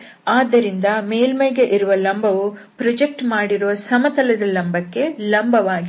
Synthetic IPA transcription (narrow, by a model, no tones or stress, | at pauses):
aːd̪ːɐɾind̪ɐmeːlmɐjɡe̞ʔiɾuʋɐlɐmbɐʋupɾɐd͡ʒek̚ʈmaːɽiɾuʋɐsɐmɐt̪ɐlɐd̪ɐlɐmbɐkːe̞lɐmbɐʋaːɡi